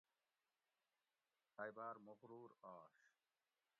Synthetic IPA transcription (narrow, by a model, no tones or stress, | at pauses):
ajbaːɾmoxɾuːɾɔːʃ